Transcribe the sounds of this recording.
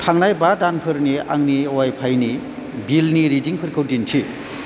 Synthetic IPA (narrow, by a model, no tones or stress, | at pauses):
tʰaŋnajbadanpʰɯɾniaŋniowajpʰajni | bilniɾidiŋpʰɯɾkʰɯwdintʰi